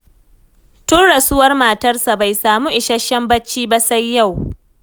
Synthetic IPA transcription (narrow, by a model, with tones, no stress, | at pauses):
tʊ˦nɽɐ˨sʊ˦wɐ˦rmaː˨tɐ˦rsa˨ba˨jsaː˨mu˦ʔɪ˨ʃɐ˦ʃɐ˦mbɐ˦t͡ʃːiː˦ba˦sa˦jːa˦˨w